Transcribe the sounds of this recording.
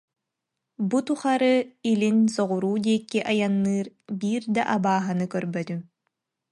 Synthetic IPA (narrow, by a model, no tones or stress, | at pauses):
but̪uχaɾɯilinsɔʁuɾuːd̪iːkːiʔajanːɯːɾbiːɾd̪aʔabaːɦanɯkœɾbœt̪ym